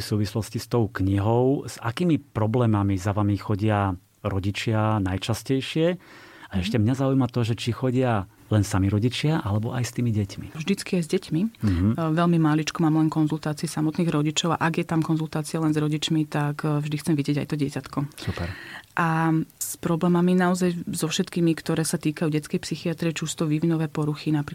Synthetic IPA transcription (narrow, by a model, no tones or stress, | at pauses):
fsuːʋislɔscist̪ɔʊkɲiɦɔʊz̥a̰kiːmipɾɔblɛːmamizaʋamixɔɟɪa | ɾɔɟit͡ʃɪanajt͡ʃascɛjʃɪɛaɛʃcɛmɲazaujmat̪ɔʒɛt͡ʃixɔɟɪa | lɛnsamiɾɔɟit͡ʃɪaʔalɛbɔʔajst̪iːmiɟɛcmḭvʒd̪it͡skiajzɟɛcmiʋɛlmimalit͡ʃkɔmaːmlɛnkɔnzult̪aːt͡siɛsamɔt̪niːɣɾɔɟit͡ʃɔʊa̰ʔaɡjɛt̪amkɔnzult̪aːt͡sialɛnzɾɔɟit͡ʃmit̪akvʒd̪ixt͡sɛmʋiɟɛɟajt̪ɔɟɪɛcat̪kɔsupɛɾʔaspɾɔblɛːmaminaɔzajzɔfʃɛt̪kiːmikt̪ɔɾɛːsat̪iːkajuːɟɛt͡skɛjpsixiat̪ɾiɛt͡ʃust̪ɔʋiʋinɔʋɛːpɔɾuxinapɾi